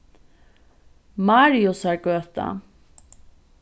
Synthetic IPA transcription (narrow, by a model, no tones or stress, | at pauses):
mɑɾjʊsæːɹɡøːt̪a̰